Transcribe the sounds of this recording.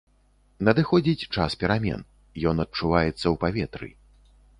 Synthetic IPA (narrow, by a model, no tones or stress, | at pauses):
nɐd̪ɨxɔd͡zʲit͡sʲt͡ʂaspʲɛɾamʲɛ̰n | jɔnɐt̪̚t͡ʂuvajɛt̪sːɐwpavʲɛt̪ɾɨ̰